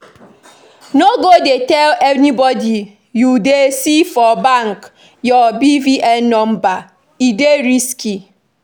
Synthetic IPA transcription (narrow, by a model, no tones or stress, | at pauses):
noɡodetɛlenibɔdi | judesifɔbaŋk | jɔbiviʔɛnɔm̩ba | ideɾiski